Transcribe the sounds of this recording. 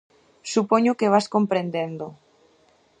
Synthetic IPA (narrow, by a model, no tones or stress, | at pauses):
supoɲokeβaskompɾend̪end̪o